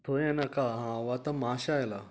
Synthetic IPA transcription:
t̪ʰoɾɛ̃nakaɦãʋat̪amaɕajla

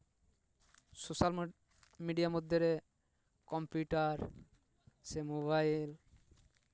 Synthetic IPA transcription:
sosal | miɖijamod̪ʱːeɾe | kɔmpjuʈaɾ | semoβajl

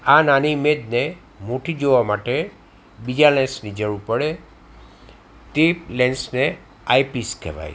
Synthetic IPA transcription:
ananimed̪̚ne | moʈid͡ʒoʋamaʈe | bid͡ʒalɛnsnid͡ʒəɾũpəɽe | t̪elɛnsne | ajpiskʰḛʋa̰j

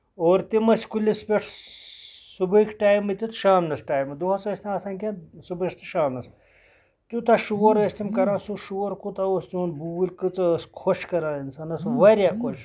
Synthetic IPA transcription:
oːɾt̪imɐsʲkulʲispʲeʈʰ | subɐikʈaːjmɨt̪it̪ʃaːmnɐsʈaːjmɨd̪uɦɐt͡sɐsʲt̪ʲaɐsanʲkʲẽnsubɨʈt̪ɨʃaːmnɐs | t̪ʲut̪ɐʃuːoɾɐsʲt̪ʲimkɐɾãːsuʃuːoɾkut̪ɐost͡ʃuːnbuːlʲkɨt͡sɐskʰoʃkɐɾãːinsɐnɐsʋɐɾʲjakot͡ʃ

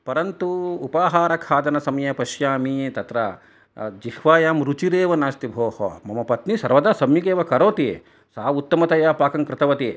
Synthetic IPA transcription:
pɐɾɐnt̪uːpaːɦaːɾɐkʰaːd̪ɐnɐsɐmjɐpɐʃjaːmiet̪ɐt̪ɾɐ | d͡ʒihʋaːjaːmɾut͡ʃiɾeːʋɐnaːst̪ibʱoːhɐ̰mɐmɐpɐt̪nisɐɾʋɐd̪aːsɐmjikeːʋɐkɐɾoːt̪i | saːʋut̪ːɐmɐt̪ɐjaːpaːkɐŋkɾɪt̪ɐʋɐt̪i

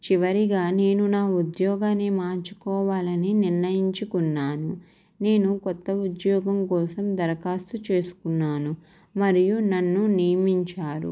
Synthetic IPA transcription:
t͡ʃiʋɐɾiɡaːne̞ːnunaːud̪jɔːɡaːneːmaːɾt͡ʃu̥kɔːʋaːlɐniniɾnɐjiɲt͡ʃukunːaːnu | ne̞ːnukɔt̪ːɐud̪jɔːɡɐmkɔːsɐmd̪ɐɾɐkaːst̪ut͡ʃe̞ːsu̥kunːaːnu | mɐɾijunɐnːunijɐmiɲt͡ʃaːɾṵ

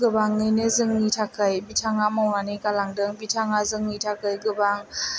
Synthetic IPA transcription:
ɡɯbaŋːɯjnɯzɯŋːitʰakʰajbitʰaŋamɔwŋanikalaŋdɯŋbitʰaŋazɯŋːitʰakʰɯjɡɯbaŋ

